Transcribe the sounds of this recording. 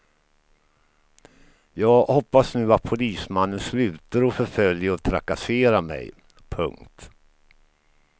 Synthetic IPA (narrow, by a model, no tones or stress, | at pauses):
jɑːɡhɔpːasnʉ̟ːat̪̚pʰʊliːsmanːənslʉ̟ːt̪aɾɔfœɾfœljaɔt̪ʰɾa̰kaseːɾamɛ̰j | pʰɵ̰ŋkt̪